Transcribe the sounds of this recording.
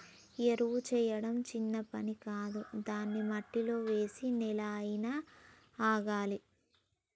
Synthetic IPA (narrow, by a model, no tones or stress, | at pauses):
eɾuwut͡ʃɛːjɐɽɐmt͡ʃinːɐpɐnikaːd̪ud̪aːnːimɐʈːilo̞ːʋe̞ːsinilaːjinaː | aːɡaːli